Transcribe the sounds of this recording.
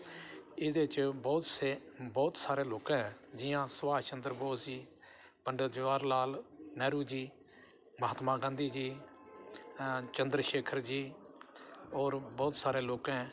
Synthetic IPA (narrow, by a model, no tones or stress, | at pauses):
ɪd̪eːt͡ʃbɔːt̪sebɔːt̪saːɾeːloːkɛ̃ɦd͡ʒɪjãːsəʋaːt͡ʃənd̪ɾboːsd͡ʒiː | pəɳɖəd͡ʒʋaːɾlaːlnɛːɾuːd͡ʒiː | məɦaːt̪mãːɡãːnd̪iːd͡ʒiː | t͡ʃə̃nd̪ɾʃeːkʰəɾd͡ʒiː | oːɾbɔːt̪saːɾeːloːkɛ̃